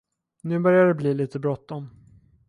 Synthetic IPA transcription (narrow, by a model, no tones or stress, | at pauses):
nʉ̟ːbœɾjaɖ̪ɛbliːliːt̪əbɾɔt̪ːɔn